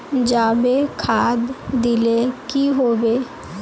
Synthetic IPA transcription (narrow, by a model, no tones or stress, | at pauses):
d͡ʒaːbekʰaːd̪d̪ɪlekiɦoːbeː